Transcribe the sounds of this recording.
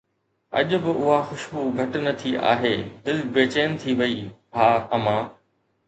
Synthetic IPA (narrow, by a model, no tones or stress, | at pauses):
ɐ̰ʄʊ̆bɪʊɦaxʊʃbuɡʱɐʈʊnɐt̪ʰiʔa̰ːɦeːd̪ɪlbeːt͡ɕeːnɪ̆t̪ʰiʋɐiːaːɐmãː